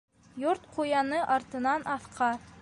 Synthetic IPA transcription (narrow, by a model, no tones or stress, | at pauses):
joɾt̪qʰujɑnɤʔɑɾt̪ɤ̆nɑnʔɑθqʰɑ